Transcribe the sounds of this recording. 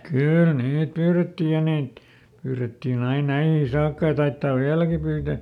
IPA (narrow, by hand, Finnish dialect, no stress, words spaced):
kyˑl niːt pyːretːi jɑ niːt pyːretːin ɑin næihiː sɑːkːɑ jɑ tɑitːɑːʋ ʋiælæki pyːtæ